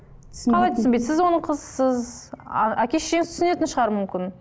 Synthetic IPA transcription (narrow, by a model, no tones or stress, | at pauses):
qʰɑlˠɑjt̪ʰʏsɪmbe̞j̪sɪzwo̞nəɴqʰəzsəz̰ | ækʲe̞ʃemɪt̪ʰsɪne̞t̪ɪnʃəʁɑɾəmʏmkʲɪn